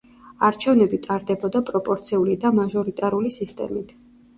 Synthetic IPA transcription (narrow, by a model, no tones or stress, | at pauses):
aɾt͡ʃʰɛvnɛbit̪ʼaɾd̪ɛbɔd̪apʼɾɔpʼɔɾt̪sʰiulid̪amaʒɔɾit̪ʼaɾulisist̪ʼɛ̰mit̪ʰ